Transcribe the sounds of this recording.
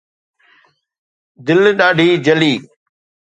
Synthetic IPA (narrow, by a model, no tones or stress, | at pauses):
d̪ɪlɗaːɖʱiːd͡ʑɐliː